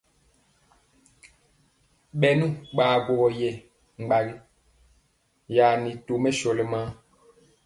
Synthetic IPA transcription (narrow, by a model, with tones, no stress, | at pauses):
ɓɛ˨nũ˦˨ɓaː˨ɡwo˨ɡɔ˨jɛ˨ | ŋ͡m̩˨ɡ͡ba˨ɡi˦ | ja˨ni˨to˨mɛ˦ʃɔ˨lɛ˨ma˦